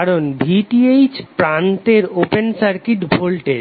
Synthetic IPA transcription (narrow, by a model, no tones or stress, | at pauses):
aɾonbʱiʈiejt͡ɕʰpɾant̪eɾopensaɾkiʈbʱolʈeɾ